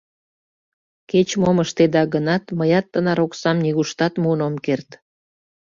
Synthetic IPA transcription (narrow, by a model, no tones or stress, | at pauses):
ket͡ɕmoməʃt̪ed̪ɑɡənɑt̪məjɑt̪ːənɑɾoksɑmniɣuʃt̪ɑt̪muːnomkert̪